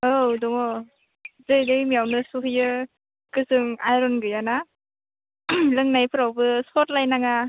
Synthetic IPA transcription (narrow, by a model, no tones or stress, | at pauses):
owdɔŋɔ | zɯjdɯmijawnɯsuɦɯjɯ | kɯsɯŋajɾɔnɡɯjana | lɯŋnajpʰɯɾawbɯsɔt̚lajnaŋa